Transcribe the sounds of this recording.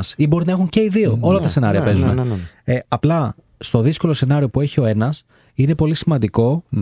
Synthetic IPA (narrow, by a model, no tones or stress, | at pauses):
sibo̞ɾinɐe̞xuɲce̞iðio̞olɐt̪ɐse̞nɐɾiɐpe̞zune | ɐplɐ | st̪o̞ðisko̞lo̞se̞nɐɾio̞pue̞çio̞e̞nɐs | ine̞po̞lisimɐnd̪iko̞